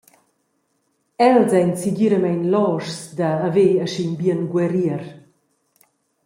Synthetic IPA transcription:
ɛlzɛnsiɡiɾəmɛnlɔʃsdaːveəʃinbiənɡwɛɾiəɾ

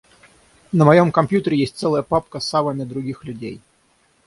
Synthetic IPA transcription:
nəmɐjomkɐmpʲjut̪əɾʲɪjesʲt̚ʲt̪sɛləjəpapkəsavənʲəd̪ɾʊɡʲixlʲʉdʲḛj

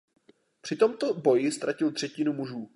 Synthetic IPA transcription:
pr̝̥ɪt̪o̞mt̪o̞bo̞jɪst̪ɾʔacɪlt̪r̥ɛcɪnumuʒuː

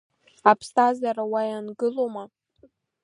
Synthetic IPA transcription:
apʰstʰazaɾawajanɡɨloma

